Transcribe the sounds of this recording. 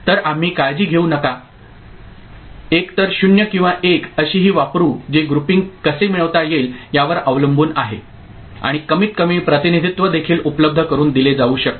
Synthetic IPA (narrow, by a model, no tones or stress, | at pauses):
t̪əɾam̤iːkajd͡ʑiːɡʱeunəka | ekt̪əɾɕunjəkĩw̃ʋaʔekəɕiːɦiːʋapɾuːd͡ʑeɡɾupiŋɡkəsemiɭəʋt̪ajeljaʋəɾəʋləmbʱuːna̰ɦe | a̰ɽ̃ikəmiːt̪̚kəmipɾət̪inid̪ʱit̪ʋəd̪ekʰiːlupləb̚d̪ʱəkəɾuːnd̪iled͡zauːɕək̚t̪